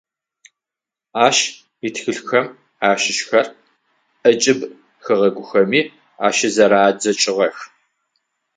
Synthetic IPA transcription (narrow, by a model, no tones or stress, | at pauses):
aːʃ | itʰxɨɬxɐm | aːʃɪʃxɐr | ʔɐt͡ʃʼɪb | xɨʁɐɡʷʊxɐmiː | a̰ːʃɐzɐɾaːd͡ʒɐt͡ʃʼɪʁɐx